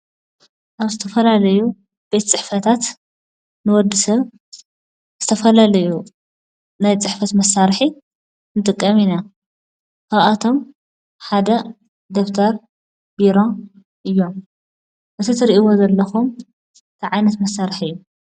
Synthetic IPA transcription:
ʔaβzɨt̪ʰɐfɐlalɐju | b̥e̞t̪t͡sʼɨħfɐt̪ʰat̪ | nɨwɔd̪ːisɐβ | z̥ɨt̪ʰɐfɐlalɐju | najt͡sʼɨħfɐt̪mɐsːaɾħi | nɨt̪ʼɨkʼːɐmina | kʰaβʔat̪ʰo̞m | ħad̪ɐ | d̪oft̪ʰɐɾ | biɾo | ʔɨjːo̞m | ʔɨt̪ʰit̪ʰɨɾiʔiwozɐlːɐxum | t̪ʰɨʕajnɐt̪mɐsːaɾħɨjːu

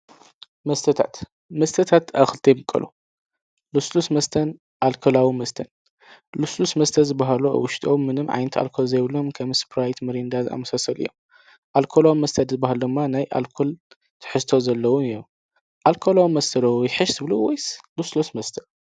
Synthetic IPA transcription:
mɐst̪ʰɐt̪ʰa̰t̪ | mɐst̪ʰɐt̪ʰat̪a̰xɨlt̪ʰɐjmɨkʼɐ̰lṵ | luslusmɐst̪ʰɐn | ʔalkʰolawimɐst̪ʰɐn | luslusmɐst̪ʰɐzɨbːaɦalua̰wʊʃt̪ʼomːɨnɨmʕa̰jnɐt̪ʰa̰lkʰolzɐjβlo̞mkʰɐmspʰɾajt̪mɐɾind̪aza̰mːɐsasɐlɨjːo̰m | ʔalkʰolawimɐst̪ʰɐd̪zɨbːaɦald̪ɨmːanajʔa̰lkʰol | t̪ʰɨ̥ħɨst̪ʰo̞zɐlːɐwujom | ʔalkʰolawimɐst̪ʰɐɾowjɪħɨʃzɨβluwojsluslosmɐst̪ʰɐ̥

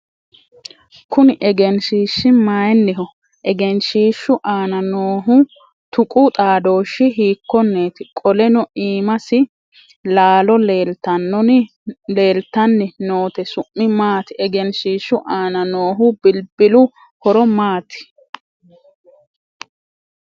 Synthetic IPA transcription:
kʊnɪʔɛɡɛnʃiːʃːɪmaːjɛnːɛɦɔ | ʔɛɡɛnʃiːʃːʊʔaːnɐnoːɦʊ | t̪ʊkʼʊt̪ʼaːd̪o̞ːʃːɪɦiːkːɔnːeːt̪ɪkʼɔlɛnɔʔiːmɐsɪ | laːlɔleːlt̪ɐnːɔn | le̞ːlt̪ːɐnːɛnoːt̪ɛsʊʔːɪmaːt̪ɪʔɛɡɛnʃiːʃːʊʔaːnɐnoːɦʊbɪlbɪlʊ | hɔɾɔmaːt̪ɪ̥

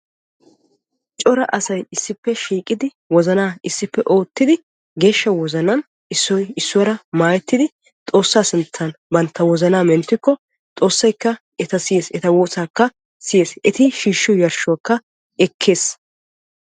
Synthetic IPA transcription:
t͡ʃʼɔɾɐʔɐsɐjɪsːɪpːɛʃiːkʼːɪd̪ɪ | wɔzɐnaːɪsːɪpːɛʔo̞ːt̪ːɪd̪ɪ | ɡe̞ːʃːɐwɔzɐnɐn | ɪsːɔjɪsːʊwɐɾɐmaːjɛt̪ːɪd̪ɪ | t̪ʼo̞ːsːaːsɪnt͡sːɐnbɐnt̪ːɐwɔzɐnaːmɛnt̪ːɪkːɔ | t̪ʼo̞ːsːɐjkːɐ | ɛt̪ɐsɪjeːsɛt̪ɐwoːsaːkːɐ | sɪje̞ːsɛt̪ɪʃiːʃːʊjɐɾʃʊwɐkːɐ | ɛkʰːe̞ːs

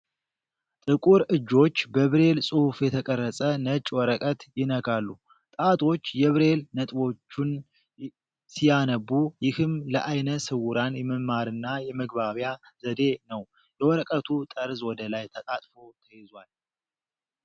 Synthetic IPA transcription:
t̪ʼɨkʼuɾɨd͡ʒːo̞t͡ʃːbəβɾe̞lsʼufjɛt̪ʰəkʼərːəsʼənət͡ʃʼːwɔɾəkʼət̪jɪnəkalːu | t̪ʼat̪ʼo̞t͡ʃːjɛβɾe̞lnət̪ʼbo̞t͡ʃːun | sijanəbujɪhɨmləʔajnəsɨwʊɾanjɛməmaɾɨnːajɛməɡbaβjaz̥əd̪e̞nəw | lɛwɔɾəkʼət̪ʰut̪ʼəɾzwɔd̪əlajt̪ʰət̪ʼat̪ʼfo̞t̪ʰəjɛzwal

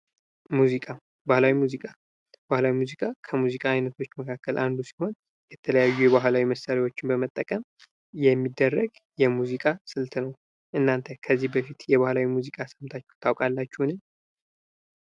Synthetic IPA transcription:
muzikʼa | bahlawimuzikʼa | bahlawimuzikʼakʰəmuzikʼaːjnət̪ʰo̞t͡ʃːməkʰakːəlʔand̪usi̥ho̞n | jɛt̪ʰələjajːujɛβaɦlawiməsaɾiwo̞t͡ʃːɪnbəmət̪ʼːəkʼəm | jɛmːid̪ːərːəɡ | jɛmuzikʼasɨlt̪ʰnəw | ʔɨnːant̪ʰəkʰəzːihbəfit̪jɛβahlawimuzikʼasəmt̪ʰat͡ʃːɛwt̪ʰawkʼalːat͡ʃːuhnɨɲ

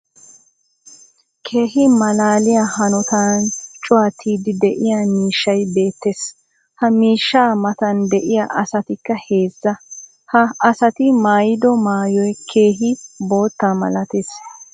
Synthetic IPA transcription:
kʰe̞ːɦɪmɐlaːlɪjahɐnɔt̪ant͡ʃʼʊwaːt̪ʰːiːd̪ɪd̪ɛʔɪjamiːʃːɐjbe̞ːt̪ːeːs | hɐmiːʃːaːmɐt̪ɐnd̪ɛʔɪjaʔɐsɐt̪ɪkːɐhe̞ːzːɐ | hɐɐsɐt̪ɪmaːjɪd̪ɔmaːjɔjkʰeːɦɪbo̞ːt̪ːaːmɐ̰lɐt̪es

